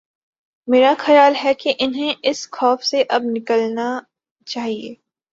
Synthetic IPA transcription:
meːɾaxɐjaːlɦɛkeʔɪnɦẽʔɪsxɔːfseʔɐb̚nɪkəlna | t͡ʃaːɦiḛː

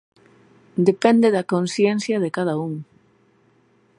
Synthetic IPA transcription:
d̪epɛnd̪eðɐkonsjɛnθjɐðekaðɐuŋ

